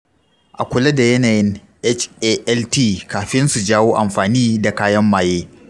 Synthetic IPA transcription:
ʔa˨kʷʊ˨lɐ˦da˨jɐ˦naː˨jɪ˦n | ʔɛ˦t͡ʃʔeː˦ʔɛ˦ltiː˦˨kaː˨ɸɪ˦nsu˨d͡ʒaː˦woː˦ʔa˨mɸaː˨niː˦da˨kaː˦jɐ˦mːaː˨jeː˦

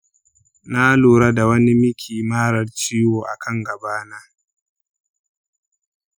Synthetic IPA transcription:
na˦luː˨ɾa˦da˨wɐ˦ni˦mɪ˦kʲʰiː˨maː˦ɾɐ˨rt͡ʃiː˦woː˨ʔa˨kʰɐ˦˨ŋɡɐ˨baː˦naː˦

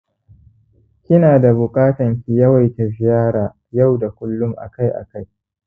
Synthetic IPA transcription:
kʲɪ˦naː˨da˨bʊ˨kʼaː˦tɐ˨ŋkʲi˨jɐ˦wa˨jta˨zɪ˨jaː˦ɾaː˨ | ja˦˨wda˨kʷʊ˦lːʊ˦mʔa̰˨ka˦jʔa̰˨ka˦j

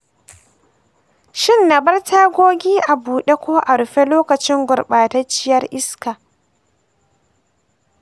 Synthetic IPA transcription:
ʃɪ˦˨nːa˨bɐ˦rtʰaː˦ɡʷoː˦ɡʲiː˦ʔa˨buː˨ɗe˦kʷoː˦ʔa˨ɾʊ˨ɸe˦loː˦kɐ˨t͡ʃɪ˦ŋɡʷʊ˨rɓaː˨tɐ˦t͡ʃɪ˦jɐ˦rʔɪ˦skaː˨

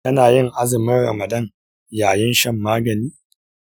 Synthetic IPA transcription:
tɐ˦naː˨jɪ˦ŋʔa˦zɪ˨mɪ˦nɾɐ̰˨mɐ˨dɐ˦˨ŋ | jaː˨jɐ˦nʃɐ˦mːaː˦ɡɐ˨niː˦

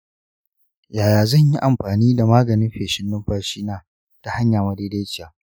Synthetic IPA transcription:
jaː˨jaː˨zɐ˦˨ɲji˦ʔa˨mɸaː˨niː˦da˨maː˦ɡɐ˨nɪ˦mɸeː˨ʃɪ˦nːɪ˦mɸaː˦ʃiː˦naː˦ | ta˨ha˦ɲjaː˨mɐ˦deː˦de˦jt͡ʃɪ˦˨jaː˨

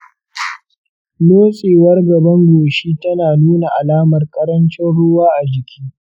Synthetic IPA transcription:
noː˦sʼeː˨wɐ˦rɡɐ˨bɐ˦ŋɡʷoː˨ʃiː˦tɐ˦naː˨nuː˦na˨ʔa˨laː˦mɐ˨rkʼɐ˦ɾɐ˦nt͡ʃɪ˦nɽʊ˦waː˦ʔa˨d͡ʒɪ˨kʲiː˦

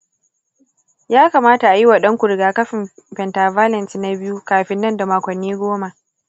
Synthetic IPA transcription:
jaː˦kaː˨maː˦ta˨ʔa˨ji˦wa˨ɗɐ˦ŋkʷu˨ɾɪ˨ɡaː˦kɐ˦ɸɪ˨mɸɛ˨ntaː˨vaː˦lɛ˨nsna˦bɪ˦ju˦kaː˨ɸɪ˦nːɐ˦nda˨maː˨kʷɐ˨nːiː˦ɡʷoː˦ma˨ʔ

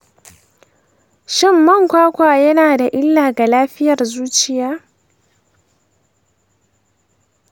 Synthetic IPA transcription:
ʃɪ˦mːɐ˦˨ŋkʷaː˦kʷaː˨jɐ˦naː˨da˨ʔɪ˦lːaː˨ɡa˨laː˦ɸɪ˦jɐ˨rzuː˦t͡ʃɪ˦jaː˦

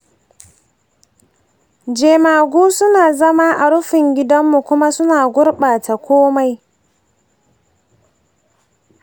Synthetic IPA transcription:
d͡ʒeː˨maː˨ɡʷuː˦sʊ˦naː˨zɐ˦ma˦ʔa˨ɽʊ˦ɸɪ˨ŋɡʲɪ˦dɐ˦mːu˨kʷʊ˦ma˦sʊ˦naː˨ɡʷʊ˦ɾɓaː˨ta˨kʷoː˦ma˦j

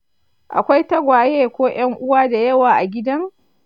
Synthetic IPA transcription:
ʔa̰˨kʷa˦jtɐ˦ɡʷaː˨jeː˦kʷoː˦j̰ɐ˦ŋʔʊ˦waː˦da˨jɐ˦waː˨ʔa˨ɡʲɪ˦dɐ˦ŋ

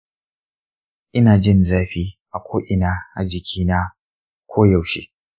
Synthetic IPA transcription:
ʔɪ˦naː˨d͡ʒɪ˦˨nzaː˦ɸiː˦ʔa˨kʷoː˦ʔɪ˨naː˦ʔa̰˨d͡ʒɪ˨kʲʰiː˦na˦ | kʷʰoː˦jɐ˨wʃḛː˦

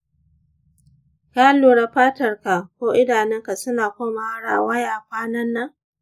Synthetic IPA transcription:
kaː˦loː˨ɽa˨ɸaː˦tɐ˨rka˨kʷoː˦ʔɪ˦daː˨nɛ˦ŋka˨sʊ˦naː˨kʷoː˦ma˨ha˦ɽa̰ː˨ʔwɐ˦jaː˨ɸʷaː˦nɐ˦nːa˦

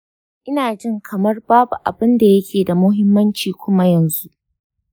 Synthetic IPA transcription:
ʔɪ˦naː˨d͡ʒɪ˦ŋkʰɐ˨mɐ˦rbaː˦bu˨ʔa̰˨bɪ˦nda˨jɐ˦kʲeː˨da˨mʊ˦ɦɪ˦mːɐ˦nt͡ʃiː˨kʷʊ˦ma˦jɐ˨nzu˦ʔ

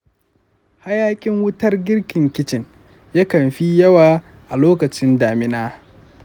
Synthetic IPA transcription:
ha˦jaː˦kʲʼɪ˦ŋwʊ˦tɐ˦rɡʲɪ˦rkʲɪ˨ŋkʲɪ˦t͡ʃɪ˨n | jaː˦kɐ˨mɸi˦jɐ˦waː˨ | ʔa˨loː˦kɐ˨t͡ʃɪ˦ndaː˨mɪ˦naː˦

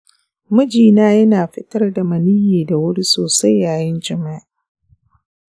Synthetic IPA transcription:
mʊ˦d͡ʒiː˨naː˦jɐ˦naː˨ɸɪ˦tɐ˦rda˨mɐ˨niː˦jeː˨da˨wʊ˦ɽi˦soː˨sa˦jːaː˨jɪ˦nd͡ʒɐ˨ma˦ʔ

